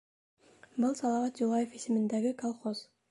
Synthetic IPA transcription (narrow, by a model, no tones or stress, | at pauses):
bɯlˠsɑlˠɑvɑt̪̚d͡ʒulˠɑjefisɪmind̪eɡikalˠχoz̥